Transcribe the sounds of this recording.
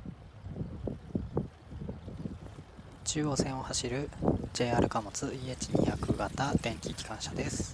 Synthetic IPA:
t͡ɕɨːo̞sẽ̞ɰ̃o̞haɕiɾɯ̟d͡ʑe̞ːaɾʔɯ̟kamo̞t͡sɨiet͡ɕiɲ̟ḭjakɯ̟ɡat̪ad̪ẽ̞ŋkʲikʲi̥kãɰ̃ɕad̪e̞sɨ̥

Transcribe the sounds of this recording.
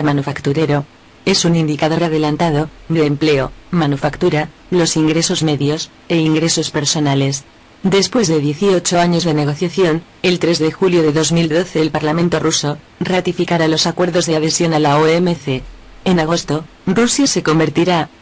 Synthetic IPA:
manufakt̪uɾe̞ɾo̞ | e̞sunind̪ikaðo̞ɾað̞e̞lant̪að̞o̞meðemple̞omanufakt̪uɾa | lo̞siŋɡɾe̞so̞zme̞ðjo̞s | e̞iŋɡɾe̞so̞spe̞ɾso̞nale̞s | d̪e̞spwe̞zðe̞ðje̞θio̞t͡ʃo̞aɲo̞zðe̞ne̞ɣ̞o̞θjaθjo̞n | e̞lt̪ɾe̞zðexuljo̞ðe̞ðo̞zmild̪o̞θe̞ːlpaɾlamẽnt̪o̞ruso̞ | rat̪ifikaɾalo̞sakwe̞ɾðo̞zðeað̞e̞sjo̞nalaoemeθe̞ː | naɣ̞o̞st̪o̞ | rusjase̞ko̞mbe̞ɾt̪iɾa

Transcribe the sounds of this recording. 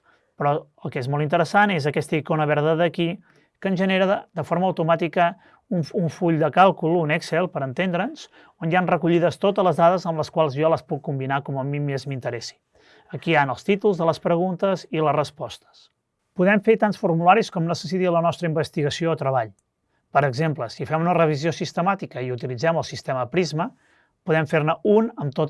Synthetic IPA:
pɾɔəlˠkezmɔlˠt̪int̪əɾəsanezəkɛst̪əikonəβɛɾðəðəki | kəːnʒəneɾəd̪əfoɾməːwt̪umat̪ikə | uɱuɱfuʎd̪əkalˠkulˠunɛksɛlˠpəɾənt̪end̪ɾənz̥ | onjanrəkuʎiðəst̪ot̪ələzðaðəzəmləskwalˠzjɔləspukːumbinakɔməmimezmint̪əɾɛsi̥ | əkianəlˠst̪it̪ulˠzðələspɾəɣunt̪əzilərəspɔst̪ə̥s | puðɛmfeɾt̪ansfuɾmulaɾiskɔmnəsəs̬it̪iələnɔst̪ɾəimbəst̪iɣəsioːt̪ɾəβaʎ | pəɾəɡzempləsifɛmunərəβ̞iziosist̪əmat̪ikəiut̪ilid͡zɛməlˠsist̪ɛməpɾizmə | puðɛmfeɾnəunəmt̪ot̪

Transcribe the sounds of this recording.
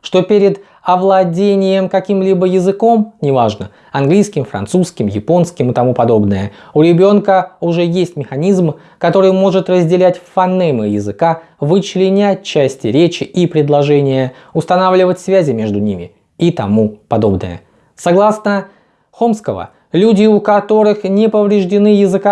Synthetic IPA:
ʂt̪o̞pʲeɾʲɪd̪ | ɐvlˠɐdʲenʲɪjəmkɐkʲimlʲibəjɪzɨko̞mnʲɪvaʐnə | ɐnɡlʲijskʲɪmfɾɐ̰nt̪suskʲɪmjɪpo̞nskʲɪmɨt̪ɐmupɐd̪o̞bnɨjəʊɾʲɪbʲo̞nkəʊʐɛjesʲtʲmʲɪxɐnʲizm | kɐt̪o̞ɾɨjmo̞ʐɨt̪rəzʲdʲɪlʲætʲfɐnːɛmɨjɪzɨka | vɨt͡ɕlʲɪnʲæt̚ʲt͡ɕːæsʲtʲɪɾʲet͡ɕɪʔipɾʲɪd̪lˠɐʐɛnʲɪjə | ʊst̪ɐnavlʲɪvətʲsvʲæzʲɪmʲe̞ʐd̪ʊnʲimʲɪ̰ | it̪ɐmupɐd̪o̞bnɨ̰jə̰ | sɐɡlˠasnə | xo̞mskəvə̰ | lʲudʲɪʊkɐt̪o̞ɾɨxnʲɪpəvɾʲɪʐdʲɪnɨjɪzɨka

